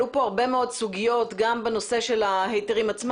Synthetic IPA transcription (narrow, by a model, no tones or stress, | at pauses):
upo̞aʁbe̞meo̞dsuɡijo̞tɡambeno̞se̞ʃe̞lahejteʁimat͡sm